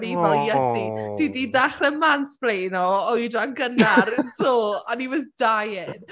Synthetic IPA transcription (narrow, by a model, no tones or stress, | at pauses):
ɾivɛlˠjɛsitʰididaχrɛmansb̥rejnɔɔidaŋɡənaɾntʰoːanivɛðd̥ajɪn